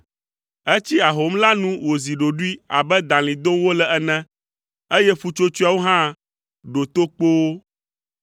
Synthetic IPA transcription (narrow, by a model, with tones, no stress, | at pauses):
e˦t͡ɕi˦a˨ɦo˨˦mla˦nũ˦wo˨zi˨ɖo˨ɖu˦i˦a̰˨bɛ˦d̪ã˨lĩ˨d̪o˦wo˦lɛ˦ɛ˨nɛ̃˦ | e˦jɛ˦fu˦t͡ʃo˦t͡ʃu˦a˨wo˦ɦã˦ | ɖo˨t̪o˦k͡po˦wo˦